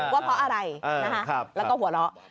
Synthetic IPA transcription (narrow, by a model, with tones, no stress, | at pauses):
waː˥˩pʰɔ˦˥ʔa˧ɾa˧jna˦˥kʰa˦˥˧lɛː˦˥wkɔː˥˩ɦu˩˦ɐlɔ˦˥